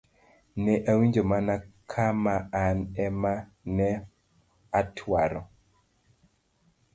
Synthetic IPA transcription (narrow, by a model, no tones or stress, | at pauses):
nɛʔawiɲd͡ʒomanakʰamaanɛma | nɛ | atʰwaɾɔ̰